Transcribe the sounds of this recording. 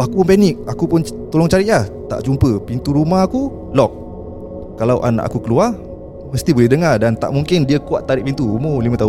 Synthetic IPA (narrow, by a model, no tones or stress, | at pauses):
akupʊnpɛnɪk̚akupʊnt̪olɔŋt͡ʃaɾɪtʔlaht̪a̰ʔd͡ʒumpəpint̪uɾumahaku | lɔk̚ː | alawʔa̰na̰ʔa̰kukəlua | məst̪ibolɛhdəŋadant̪a̰ʔmuŋkɪndiəkuaʔt̪ːaɾɪʔpint̪uːmolimə̃at̪aɦ